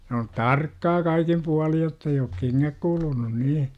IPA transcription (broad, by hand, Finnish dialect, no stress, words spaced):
s oːn tɑrkːɑː kɑikim puɑlij jotː ei oːk keŋːæk kulunun niː